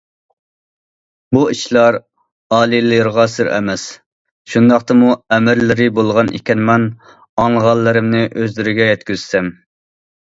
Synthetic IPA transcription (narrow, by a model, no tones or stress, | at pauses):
buiʃlˠɑɾ | ɑːlˠilɨɾʁɑsɨɾɛ̰mɛs | ʃund̪ɑqt̪ɨmuɛmɪɾlɪɾɪbolˠʁɑnʔḭkʲɛnmɛn | ɑŋʁɑlˠːɨɾɪmnɪʔøzlɪɾɪɡʲɛjɛt̪kʲyzsɛm